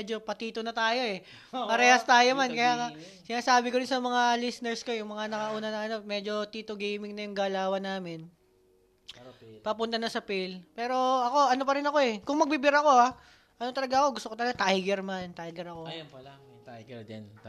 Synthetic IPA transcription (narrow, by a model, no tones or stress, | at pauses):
ɛd͡ʒo̞pɐt̪iːt̪onɐt̪aːjo̞ɛ | pɐɾɛːhɐst̪aːjo̞mankɐjaːŋa | sɪnaːsaːbɪkoɾɪnsɐmɐŋalisnɛɹsko̞jʊŋmɐŋanɐkɐʔuːnɐnɐŋɐno̞mɛd͡ʒo̞t̪iːt̪oɡemɪŋnɐjʊŋɡaːlaːwɐnaːmɪn | pɐpʊnt̪ɐnɐsɐpilpɛːɾo̞ɐko̞ɐno̞pɐɾɪnɐko̞ɛkʊŋmɐɡ̚bibɪɾɐko̞a | ʔɐno̞t̪ɐlɐɡaɐko̞ɡʊst̪okt̪ɐlɐɡat̪ajɡɛɾmant̪ajɡɛɾɐko̞jp̪